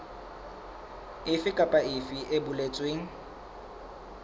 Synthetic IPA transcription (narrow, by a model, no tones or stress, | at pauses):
ɪfɪkʼapʼaɪfɪʔebʊlet͡sʼweːŋ̩